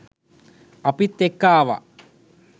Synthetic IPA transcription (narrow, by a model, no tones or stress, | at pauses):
ɐpit̪ːekːaːʋa̰